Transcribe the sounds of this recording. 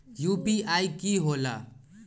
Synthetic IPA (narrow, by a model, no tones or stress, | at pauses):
jupiajkiɦola̰